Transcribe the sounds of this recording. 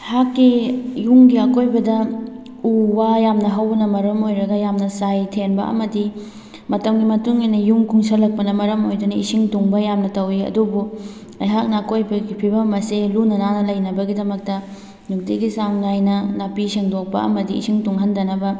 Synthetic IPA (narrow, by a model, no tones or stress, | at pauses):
hakːijuŋɡiɐkojbɐdɐ | uwajamnɐɦɐwnɐmɐɾɐmojɾɐɡɐjamnɐsajtʰenbɐ̰ɐ̰mɐdi | mɐtɐmɡimɐtuŋinɐjuŋkʰuŋsɐlɐk̚pɐnɐmɐɾɐmojdunɐisiŋtuŋbɐjamnɐtɐwiɐ̰dubu | ɐjɦak̚nɐːkojbɐɡipʰibɐmɐselunɐnanɐlɐjnɐbɐɡidɐmɐk̚tɐ | nuk̚diɡisaŋnajnɐnapiseŋdok̚pɐ̰ɐ̰mɐdiḭsiŋtuŋɦɐndɐnɐbɐ